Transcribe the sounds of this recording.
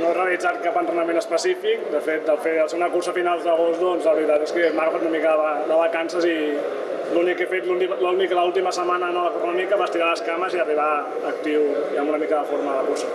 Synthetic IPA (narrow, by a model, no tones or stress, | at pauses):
noereəlidd͡zat̪̚kapənt̪ɾənəmẽnəspəsifik̚d̪əfet̪̚d̪əlˠfeəlˠseunəkursəfinalˠzðəɣost̪d̪ɔnzləβɾit̪at̪eskəmaɣəfat̪unəmikəðəβəðəβəkansəzi | lunikːefet̪lunilunikləulˠt̪iməsəmanənələkɔpəmənikəβast̪iɾaləskaməziəriβaː | k̚t̪iwiəmbunəmikəðəfoɾmələkuɾsə